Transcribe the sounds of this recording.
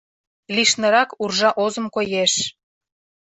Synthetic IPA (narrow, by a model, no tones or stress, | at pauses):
liʃnə̆ɾɑkurʒɑʔozə̆mkojeʃ